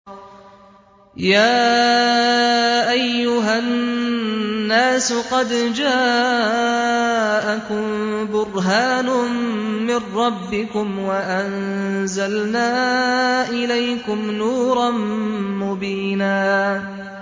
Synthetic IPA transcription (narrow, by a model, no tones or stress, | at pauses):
jaː | ʔajːʊɦanː | aːsʊqɑd̪d͡ʒaː | ʔakʊmbʊɾˤɦaːnʊmɪrːɑbːɪkʊmwaʔanzalnaːʔɪlajkʊmnuːɾˤɑnmʊbiːnaː